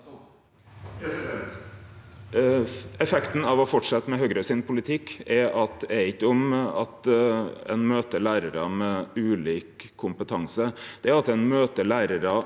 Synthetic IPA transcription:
ɛfɛkt̪n̩ɑʋɔfɔʈʂɑt̪ːmɛɦøːɡɾəsɪnpʰʊlɪt̪ʰɪkːɛʔɑt̪ɛæɾɪkːəʊmɑ̰t̪ɛ̰nmøːt̪əɭæːɾəɾəmɛʉːliːkʰːʊmpət̪ʰɑŋsəd̪̥ɛæɾɑt̪ɛnmøːt̪əɭæːɾəɾə

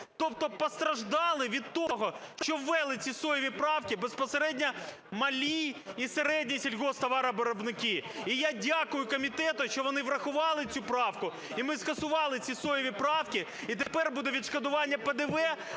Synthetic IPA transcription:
t̪ɔp̚t̪ɔpɔst̪ɾɐʒd̪ɑlˠɪʋʲid̪̚t̪ɔɦɔʃt͡ʃɔwːɛlˠɪt͡sʲisɔjɔʋʲipɾɑwkʲibespɔseɾɛdʲnʲɐ | mɐlʲijiseɾɛdʲnʲisʲilʲɣɔst̪ɐʋɑɾɐbɔɾɔbnɪkʲiijadʲakʊjʊkɔmʲit̪ɛt̪ʊʃt͡ʃɔʋɔnɪʋɾɐxʊʋɑlˠɪt͡sʲupɾɑwkʊ | imɪskɐsʊʋɑlˠɪt͡sʲisɔjɔʋʲipɾɑwkʲi | it̪epɛrbud̪ɛʋʲid̪ʃkɐd̪ʊʋɑnʲːɐped̪eʋɛ

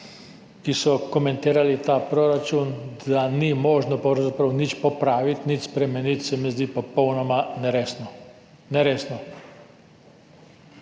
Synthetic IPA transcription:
kisɔkɔmɛ̃nt̪iːɾalit̪apɾoɾat͡ʃund̪animɔːʒnɔpowzapɾɐwnit͡ʃpɔpɾaːʋit̪nit͡ʃspɾɛmɛnit̪sɛmɛzd̪ipɔpɔwnɔmanɾesn | nɛɾeːsnɔ

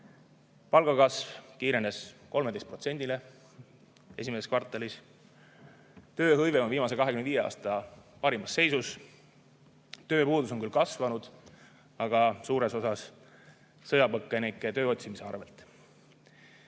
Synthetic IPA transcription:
pɑlɡ̥ɑkɑsvkiːɾe̞ne̞sko̞lme̞d̪est̪̚pro̞t̪se̞nʲd̪ile̞ | e̞̰simese̞skvɑrt̪ːˑɑlis | t̪ø̞ːɦɤjveo̞nviːmɑse̞kɑɦekymnd̪viːjeɑ̰ːst̪ɑpɑɾimɑsːe̞jsus | t̪ø̞ːpuːd̪uso̞ŋkylkɑsvɑnud̪̥ | ɑɡ̥ɑsuːɾe̞so̞sɑs | sɤjɑpɤkːˑenikːet̪ø̞ːo̞t̪ʲsimise̞ɑ̰rve̞lt̪ˑ

